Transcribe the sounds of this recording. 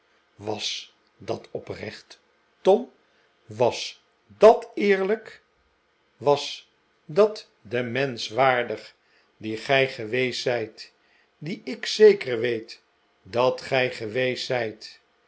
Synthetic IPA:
ʋɑs | dɑtɔprɛ̰χt | tɔm | ʋɑs | dɑtɪːɹlək | ʋɑs | dɑt | dəmɛnsʋaːɹdəχ | diχɛjχəʋejsɛjt | diɪksejkəɹʋejt | dɑtχɛjχəʋejsɛjt

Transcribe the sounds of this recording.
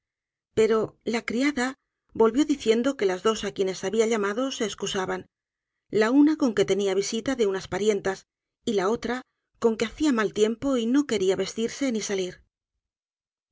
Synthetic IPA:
pe̞ɾo̞lakɾiaða | bo̞lβjo̞ðiθje̞nd̪o̞ke̞lazðo̞sakje̞ne̞saβiaʎamaðo̞se̞ːskusaβan | launako̞ŋke̞t̪e̞niaβ̞isit̪aðe̞unaspaɾje̞nt̪as | ilao̞t̪ɾa | ko̞ŋke̞aθiamalt̪je̞mpo̞ino̞ke̞ɾiaβe̞st̪iɾse̞nisaliɾ

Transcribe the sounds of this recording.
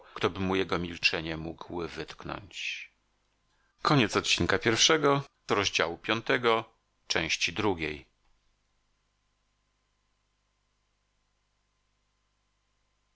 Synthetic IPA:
kt̪ɔbɘmujɛɡɔmʲilt͡ʂɛɲɛmuɡwvɘt̪knɔ̰ɲt͡ɕ | kɔɲɛt̪sɔt̪̚t͡ɕinkapʲjɛɾfʂɛɡɔ | ɾɔʑd͡ʑawupʲjɔnt̪ɛɡɔ | t͡ʂɛ̃w̃ɕt͡ɕid̪ɾuɡʲej

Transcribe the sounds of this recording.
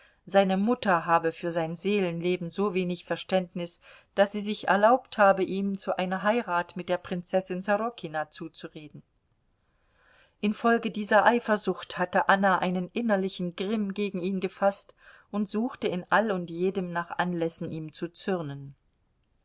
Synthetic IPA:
z̥aɪnəmʊtɐɦaːbəfyːɐzaɪnzeːlənleːbm̩zoːveːnɪçfɛɐʃtɛntnɪs | d̥asz̥iːzɪçɛ̰ɐlaʊpthaːbəʔiːmt͡suʔaɪnɐɦaɪʁaːtmɪt̚d̥eːɐpʁ̥ɪnt͡sɛsɪnzaʁɔkʰinat͡suːt͡suʁeːdn̩ | ʔɪnfɔlɡədiːzɐʔaɪfɐzʊχthatəʔanaʔa̰ɪnənʔɪnɐlɪçn̩ɡʁɪmɡeːɡŋ̩iːnɡəfast | ʔʊntz̥uːxtəɪnʔalʊntjeːdəmnaːχʔanlɛsn̩ʔiːmt͡sut͡sʏʁnən

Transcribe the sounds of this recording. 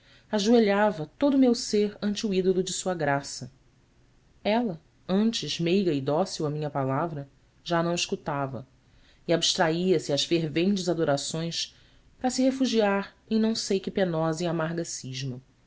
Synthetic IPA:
aʒueʎavɐt̪od̪ʊmewseɾɐ̃nt͡ʃɪuid̪olʊd͡ʒɪsuɐɡɾasɐ | ɛlɐ | ɐ̃nt͡ʃɪzmejɡɐid̪ɔsiuwɐmĩɲɐpalavɾɐ | ʒanɐ̃w̃iʃkut̪avɐ̰ | ɪabiʃt̪ɾaiɐsɪaʃfeɾvẽnt͡ʃɪzad̪oɾasõj̃s | pɾɐsɪhefuʒiaɾ | ẽj̃nɐ̃w̃sejkɪpenɔzɐiamaɦɡɐsiʒmɐ

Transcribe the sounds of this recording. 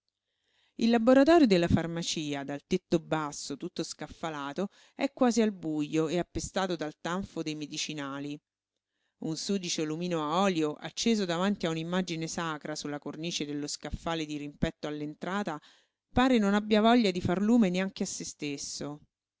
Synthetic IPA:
ilːaboɾat̪ɔːɾjod̪elːafarmat͡ʃiːad̪alt̪et̪ːobasːot̪ut̪ːoskafːalaːt̪o | ɛkːwaːzialbujːoeapːest̪aːt̪od̪alt̪aɱfod̪ejmed̪it͡ʃinaːli | unsuːd̪it͡ʃelumiːnoaɔːljoʔa̰t͡ʃːeːzod̪avant̪iaunimːad͡ʒinesaːkɾasulːakorniːt͡ʃed̪elːoskafːaːled̪iɾimpɛt̪ːoalːent̪ɾaːt̪a | paːɾenonabːjavɔʎːad̪ifarluːmeneaŋk̟easːest̪esːo

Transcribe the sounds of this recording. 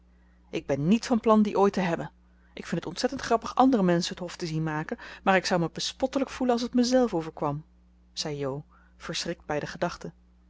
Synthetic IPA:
ʔɪɡ̚bɛnːitfɑnplɑndiʔoːjtəɦɛbən | ʔɪkfɪntətɔntsɛtəntχrɑpəχɑndərəmɛnsənɦətɦɔftəzinmaːkənmaːɹɪksɑwməbəspɔtələkfulənɑlˠs̬ətməzɛlˠfowvəɹkʋɑm | z̥ɛjjow | v̥əɹsrɪk̚d̚bɛjdəχədɑχtə

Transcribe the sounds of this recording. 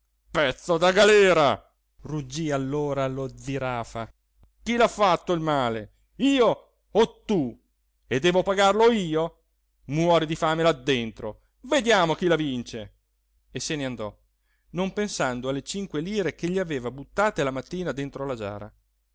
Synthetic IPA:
pɛt̪sːod̪aɡalɛːɾa | rud͡ʒːialːoːɾalod̪ziɾaːfa | k̟ilafːat̪ːoilmaːle | iːo | ɔt̪ːu | ed̪ːɛːvopaɡarloiːo | mwɔːɾid̪ifaːmelad̪ːent̪ɾo | ved̪jaːmok̟ilavint͡ʃe | esːeneand̪ɔ | nompensand̪oalːet͡ʃiŋkweliːɾekeʎːiaveːvabut̪ːaːt̪elamat̪ːiːnad̪ent̪ɾolad͡ʒa̰ːɾa̰

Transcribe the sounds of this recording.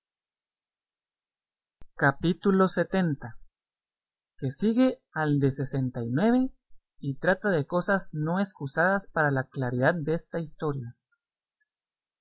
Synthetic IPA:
kapit̪ulo̞se̞t̪e̞nt̪a | ke̞siɣe̞ald̪e̞se̞se̞nt̪ajnwe̞βe̞ | it̪ɾat̪aðe̞ko̞sazno̞eskusaðaspaɾalaklaɾiðad̪̚d̪eest̪aist̪o̞ɾja

